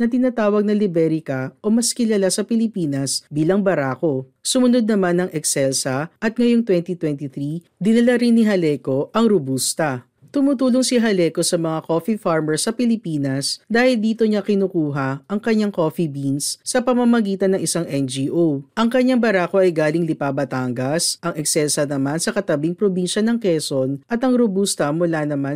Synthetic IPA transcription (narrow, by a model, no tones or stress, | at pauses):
nɐt̪ɪnat̪aːwɐɡ̚nɐlɪbɛɾɪkɐʔo̞mɐskɪlalasɐpɪlɪpiːnɐsbiːlɐŋbɐɾaːko̞sʊmʊnod̪̚nɐmanːɐŋɛksɛlsɐʔɐt̪̚ŋɐjoŋt̪wɛnt̪it̪wɛnt̪iθɾi | d̪ɪnɐlaɾɪnːiɦɐlɛko̞ʔɐŋɾobust̪ɐ | t̪ʊmʊt̪uːloŋsiɦɐlɛko̞sɐmɐŋako̞fifaɹmɛɹsɐpɪlɪpiːnɐsd̪aːhɪld̪iːt̪o̞ɲɐkɪnukuːɦɐʔɐŋkɐɲaŋko̞ːfibinsːɐpɐmɐmɐɡiːt̪ɐnːɐŋɪsaŋʔɛnd͡ʒiʔowʔɐŋkɐɲːaŋbɐɾaːko̞ʔɐjɡaːlɪŋlɪpaːbɐt̪aŋɡɐsʔɐŋɛksɛlsɐnɐmansɐkɐt̪ɐbiŋpɾobinʃɐnɐŋkɛːsonʔɐt̪ɐŋɾobust̪ɐmʊlanɐma